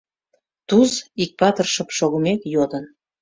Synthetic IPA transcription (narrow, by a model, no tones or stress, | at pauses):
t̪uzik̚pɑt̪ərʃə̆pʃoɣə̆mekjod̪ən